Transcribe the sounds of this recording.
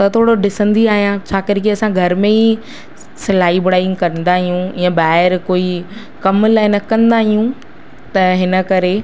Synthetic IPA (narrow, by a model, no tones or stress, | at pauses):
t̪ɐt̪ʰoːɽoɖɪsə̃nd̪iaːɦijãt͡ɕʰaːkɪɾkiɐsãɡʱɐɾmẽi | sɪlaːibʊɽaːj̃kɐɾə̃n̆d̪aːɦijũijãbaːɦɪɾkoːi | kɐmlaːɪnɐkɐ̃nd̪aːɦijũ | t̪ɐɦɪnə̆kɐɾe